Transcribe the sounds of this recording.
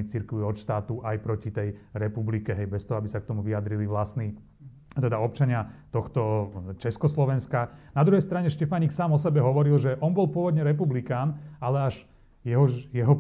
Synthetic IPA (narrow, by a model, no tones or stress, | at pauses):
it͡siɾkʋiɔt̪ʃt̪aːt̪uʔajpɾɔcit̪ɛjɾɛpublikɛɦɛjbɛst̪ɔɦɔabisak̚t̪ɔmuʋiad̪ɾiliʋlasni | t̪ɛd̪aɔp̚t͡ʃaɲɪat̪ɔxt̪ɔt͡ʃɛskɔslɔʋɛnskanad̪ɾuɦɛjst̪ɾaɲɛʃcɛfaɲiksaːmɔsɛbɛɦɔʋɔɾilʒɛʔɔnbɔlpʊɔʋɔd̪ɲɛɾɛp̬ublikaːnalɛaʒ | jɛɦɔjɛɦɔ